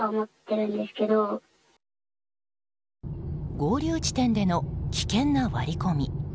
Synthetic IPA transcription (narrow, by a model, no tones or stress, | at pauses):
aomo̞t̪ːe̞ɾɯ̟̃nd̪e̞sɨ̥ke̞d̪o̞ | ɡo̞ːɾʲɯːt͡ɕi̥t̪ẽ̞nd̪e̞no̞kʲi̥kẽ̞nːaβaɾʲiko̞mʲi